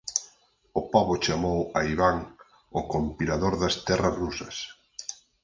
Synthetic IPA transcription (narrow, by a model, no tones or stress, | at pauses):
ʊpaβot͡ʃamowaiβaŋ | ʊkompilaðoɾðɐst̪ɛrɐzrusɐs